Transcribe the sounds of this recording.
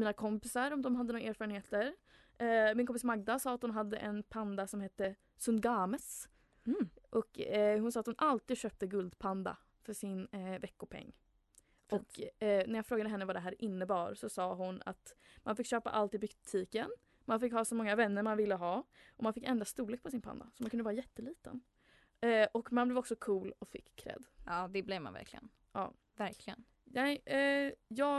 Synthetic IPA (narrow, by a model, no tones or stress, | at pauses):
miːnakʰɔmpɪsaɾɔmd̪ɔmɦad̪ənuːɾaeːɾfɑːɾənheːt̪əɾ | mɪnkɔmpɪsmaɡ̚d̪asɑːat̪hʊnɦad̪ːə̰ʔɛnpʰand̪asɔmheːt̪ːə | sɵnd̪ɡɑːməs | ʔɔkhʊnsɑːt̪hʊnʔalt̪iːd̪ɕøːp̚t̪əɡɵld̪pʰand̪a̰ | fœʂɪnvɛkːʊpʰɛ̰ŋː | ɔkːnæɾjɑːfɾoːɡad̪əɦɛnːəvaɖ̪ɛɦæːɾʔɪnːəbɑːɾsɔsɑːɦʊna̰t̪manfɪkːɕøːpa̰ʔalt̪ɪbʏɡt̪ʰiːkən | manfɪkːhɑːsɔmɔŋːavɛnːəɾmanvɪlːəɦɑːʔɔmanfɪkːɛnd̪ɾast̪uːɾɭeːk̚pʰɔs̬ɪnpʰa̰nd̪a̰sɔmankʰɵnd̪vɑɾajɛt̪ːəliːt̪ə̰n | ɔkmanblɛːvɔksɔkʰuːlɔfɪ̰kʰːɾɛ̰d̪ɑːd̪ɛblɛvma̰nvæ̰ɾkʰlɪɡə̰n | ɑ̰ː | væɾkʰlɪɡən | nɛɪ | jɑː